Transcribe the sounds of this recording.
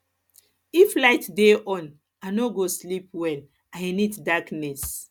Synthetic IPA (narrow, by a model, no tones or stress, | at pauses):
iflaɪtdeʔɔ̃n | anoɡoslip̚wɛl | ajniddaknɛs